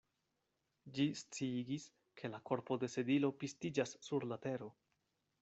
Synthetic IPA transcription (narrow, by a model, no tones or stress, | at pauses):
d͡ʒist͡siɡis | kʰe̞lako̞ɾpo̞de̞se̞dilo̞pistid͡ʒasːuɾlate̞ɾo̞